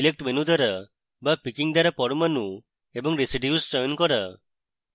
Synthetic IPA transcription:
ilek̚ʈmenud̪ɔɾa | bapikiŋd̪aɾapɔɽumanu | ebɔŋɾesiɖiusd͡ʒɔjnkɔɾa

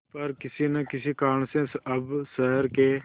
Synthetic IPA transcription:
pɐɾkɪsinɐkɪsikaːɾɳsẽsɐbsəɦəɾke

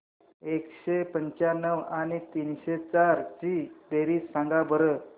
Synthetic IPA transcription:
ekɕepəɲt͡ɕjanəʋanit̪inɕet͡saɾt͡ɕid̪eɾiːsãŋɡabəɾə

